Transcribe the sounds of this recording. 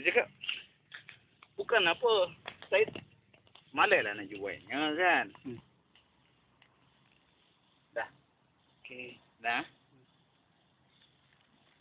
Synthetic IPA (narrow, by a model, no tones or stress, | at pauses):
d͡ʒaka | bukanapɔsait̪̚ | malɛlanad͡ʒuwa̰ɲəkan | da | k | na